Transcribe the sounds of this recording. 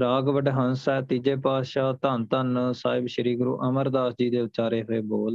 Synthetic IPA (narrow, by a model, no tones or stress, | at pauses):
ɾaːɡʋəɖɦənsɛːt̪iːd͡ʒeːpaːʃaːt̪ənt̪ənsaːɪbʃəɾiːɡɾṵːʔəməɾd̪aːsd͡ʒiːd̪eːt͡ʃaːɾeːɦoeːboːl